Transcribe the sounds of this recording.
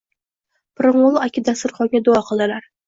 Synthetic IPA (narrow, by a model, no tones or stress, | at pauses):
pʰɨɾɨŋʊlˠakʲʰɪd̪asɪɾχɒɡʲad̪ʊɒqʰɨlˠd̪ɪlaɾ